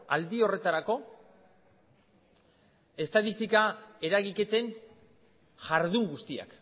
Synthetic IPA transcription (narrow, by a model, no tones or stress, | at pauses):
a̰ld̪io̞re̞t̪aɾako̞ | e̞st̪aðist̪ikae̞ɾaɣike̞t̪e̞n | ʝaɾðuŋɡust̪ia̰k